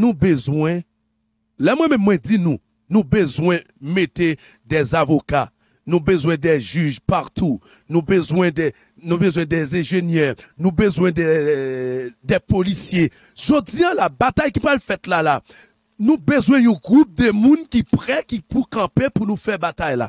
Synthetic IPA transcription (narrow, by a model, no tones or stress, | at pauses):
nũbəzwɛ̃ | lɛmwɛ̃mɛ̃mːw̃ɛ̃dinũ | nũbøzwɛ̃ | met̪e | d̪ɛzavoka | nũbøzwɛ̃d̪ɛʒyʒpaʁt̪ʰu | nũbəzwɛ̃d̪ɛ | nũbøzwɛ̃d̪ɛzɛ̃ʒenjɛʁnũbøzwɛ̃d̪ɛ | d̪ɛpolisje | ʒodiãlabat̪ajkipʁalfɛt̪lala | nũbøzwɛ̃ũɡʁup̚d̪əmũnkipʁɛkipukɑ̃pepunũfɛbat̪ajla̰